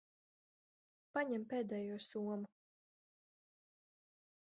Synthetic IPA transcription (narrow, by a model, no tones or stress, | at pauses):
paɲɛmpeːd̪ɛːjuɔsuɔmu